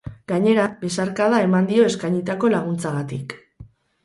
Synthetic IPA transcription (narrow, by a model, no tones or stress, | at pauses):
ɡ̥aɲe̞ɾabe̞saɾkað̞ae̞mand̪io̞e̞skajɲit̪ako̞laɣ̞unt͡saɣat̪ik